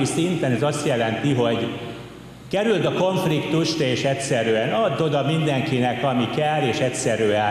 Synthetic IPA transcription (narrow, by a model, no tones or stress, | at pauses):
isint̪ɛnɛzɒst̪jɛlɛnt̪iɦo̞ɟ | kɛɾylt̪ɒkoɱflikt̪uʃt̪eːʃɛtsɛɾyɛnɒd̪ːo̞d̪ɒmind̪ɛŋkinɛkɒmikɛlːeːʃɛtsɛɾyɛ